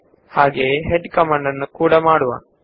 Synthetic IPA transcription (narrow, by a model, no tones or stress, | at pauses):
haːɡeːɦeɖkɐmaːɳɖɐnːukuːɽɐmaːɽuʋɐ̰